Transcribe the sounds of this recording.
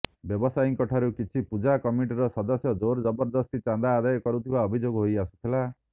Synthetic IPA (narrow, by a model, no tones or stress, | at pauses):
bjɔbɔsajiŋkɔʈʰaɾukit͡ʃʰipud͡ʒakɔmiʈiɾɔsɔd̪ɔsjɔd͡ʒoɾd͡ʒɔbɔɾd̪ɔst̪it͡ʃãnd̪aːd̪ajɔkɔɾut̪ʰibaɔbʱid͡ʒoɡɔɦojasu̥t̪ʰila